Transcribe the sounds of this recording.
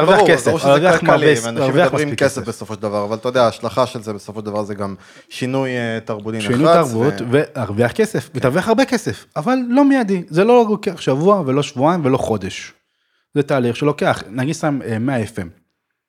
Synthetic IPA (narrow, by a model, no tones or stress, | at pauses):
aʁvakeseviamaeanaʁviaχmaimikesefbesofoʃed̪avaʁavalt̪ajod̪eaːʃlaχaʃelzebesofoʃeldavaʁzeɡam | ʃinujt̪aʁbut̪inʃinujtaʁbut̪vehaʁviaχkesefveaʁviaχaʁbekese̞favalːo̞mijad̪izelo̞lokeaχʃavuave̞lo̞ʃvuaimvelo̞χo̞d̪e̞ʃ | zet̪aːliχʃelo̞keaχnaɡid̪samemːeaefem